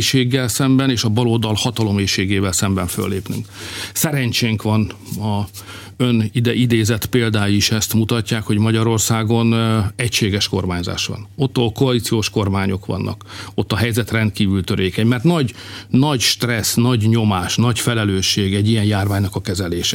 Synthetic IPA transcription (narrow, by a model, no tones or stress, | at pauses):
ʃeːɡːɛlsɛmbɛneːʃɒbɒloːd̪ɒlhɒt̪ɒlo̞meːʃeːɡeːvɛlsɛmbɛɱfø̰lːeːpny̰ŋksɛɾɛɲt͡ʃeːŋkʋɒn | ɒ | ønid̪ɛʔid̪eːzɛt̪peːld̪aːjiʃɛst̪mut̪ɒcːaːkho̞ɟmɒɟɒɾo̞rsaːɡo̞nɛcʃeːɡɛʃko̞rmaːɲza̰ːʃʋɒ̰no̞t̪ːoːlkoɒlit̪sijoːʃko̞rmaːɲo̞kʋɒ̰nːɒ̰ko̞t̪ːɒɦɛjzɛt̪rɛnt̪̚kiːvylt̪øɾʔeːkɛɲmɛrt̪nɒɟnɒɟʃt̪rɛsnɒɟɲo̞maːʃnɒcfɛlɛløːʃːeːɡɛɟːijɛnjaːrvaːɲnɒkɒkɛzɛleːʃɛ